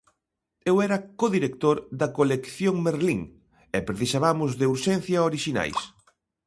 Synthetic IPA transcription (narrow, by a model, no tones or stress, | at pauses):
ewɛɾɐkoðiɾekt̪oɾðɐkolekθjoŋmeɾliŋ | ɛpɾeθisaβamʊzðeuɾʃɛnθjɐoɾiʃina̰js